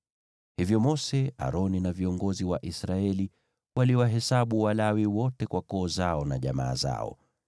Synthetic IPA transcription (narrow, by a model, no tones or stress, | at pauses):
hivjɔmɔsɛa̰ɾɔninaviɔŋɡɔziwaʔisɾaɛli | waliwaɦɛsaɓuwalawiwɔtɛkwakɔːzaɔnaʄama̰ːza̰ɔ̰